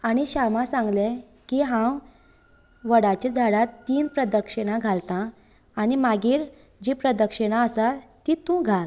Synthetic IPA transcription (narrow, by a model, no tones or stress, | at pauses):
añiɕamãsãŋɡle | kiɦãw | ʋəɽat͡ɕed͡zʱaɽat̪ːiːnpɾəd̪əkʂəɽ̃aɡʱalt̪ãː | nimaɡiːɾ | d͡ʑipɾəd̪əkʂəɽ̃aəsat̪it̪ũɡʱal